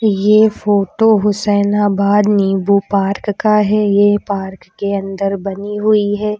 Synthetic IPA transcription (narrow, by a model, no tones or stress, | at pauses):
jeːfoːʈoɦʊsɛːnabaːd̪niːbupaːɾkkaɦɛjepaːɾkkːeɐ̃nd̪əɾbɐniɦʊiɦɛː